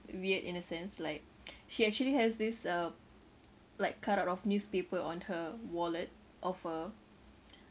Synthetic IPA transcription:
wiətḭ̃nəsɛ̃nslaɪk̚ | ʃiɛk̚t͡ʃuəlihɛsdisə | laɪkʰːataʊtɔfnjuspepəɔ̃nhəwɔlət̚ | ʔɔfə

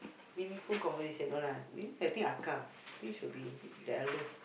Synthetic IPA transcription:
mĩnĩŋfulkɔ̃mpətisə̃noɾãnwḭat̪ĩŋakãm | at̪ĩŋʃud̚bidaɛləs

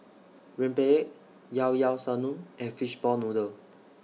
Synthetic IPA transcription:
ɹɛ̃mpeɛʔ̚ | jawjawsanũnɛ̃nfiʃbɔnudə

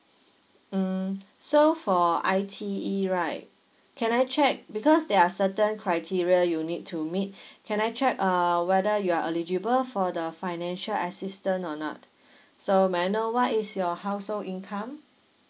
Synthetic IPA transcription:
m̩sofɔaɪtʰiiɹaɪt̚ | kʰɛ̃najt͡ʃʰɛk̚bikʰɔsdɛasətə̃nkʰɹaɪtʰiɹiəjunitʰːumit̚kʰɛ̃najt͡ʃʰɹɛk̚əwɛdəjuaʔəlid͡ʒibəlfɔdəfaɪnɛ̃nʃələsistə̃nɔnɔ̰t̚ | someanowɔtisjɔhaʊsolĩnkʰãm

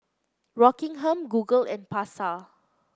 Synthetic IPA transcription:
ɹɔkĩŋɦɛ̃mɡuɡəlɛ̰̃npasa

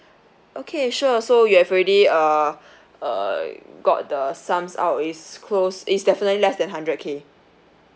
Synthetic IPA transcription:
ʔokʰeʃusojuhɛvoɹɛdiʌ | ʌ̰ɡɔ̰t̚dəsãmsa̰ʊtitskʰlositsdɛfinətlilɛsdɛ̃nɦãndɹət̚kʰe

